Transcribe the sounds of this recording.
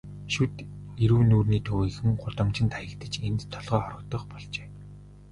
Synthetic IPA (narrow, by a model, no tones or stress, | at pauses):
ʃut̪eɾuːnuːrniːt̪ʰɵwiːxɘ̆ŋɢʊt̪ə̆mt͡ɕɪ̆nt̪ʰajə̆kt̪ə̆t͡ɕent̪t̪ʰɔɮʁœːχɔɾə̆k̚t̪ɞ̆χpɔɮt͡ɕeː